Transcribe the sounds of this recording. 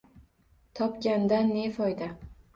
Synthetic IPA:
t̪ʰɒpkʲand̪anːefɒjd̪a

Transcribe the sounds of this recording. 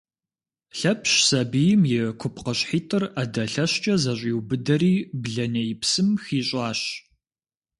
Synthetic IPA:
ɬɐpʰɕsɐbijɪmjɪkʷʰʊpʰqɐɕħiːtʼɨrɐdɐɬɐɕt͡ʃʼɐzɐɕʼiːwbɨdɐɾiːbɮɐnɐjɪpsɨmxiːɕʼɑːɕ

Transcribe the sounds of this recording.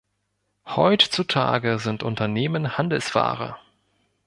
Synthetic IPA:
hɔʏtt͡sutʰa̰ːɡəzɪntʔʊntɐneːmənhandl̩sfa̰ːʁɐ̰

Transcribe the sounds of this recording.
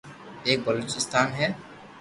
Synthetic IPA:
eːk̚bəloːt͡ʃɪst̪aːnɦɛː

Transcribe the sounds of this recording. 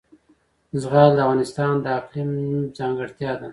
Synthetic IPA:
zɣɑːld̪əavɣɑːnɪst̪ɑnd̪əaqlimzɑːŋɡəɽt̪jɑd̪a

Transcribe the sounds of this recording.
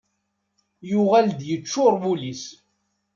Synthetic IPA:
jʊʁæld̪jət͡ʃːʊɾˤbulis

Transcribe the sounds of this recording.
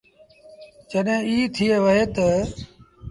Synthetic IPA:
d͡ʒəɗɦẽːiːt̪ʰiːeːʋəɦeːt̪ə

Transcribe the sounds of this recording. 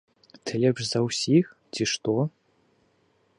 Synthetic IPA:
t̪ʰɨlʲɛpʂzɐwsʲixtʲiʂt̪o

